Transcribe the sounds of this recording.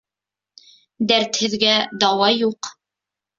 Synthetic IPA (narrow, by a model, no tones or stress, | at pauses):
d̪æɾt̪hɘ̆ðɡæd̪ɑwɑjuq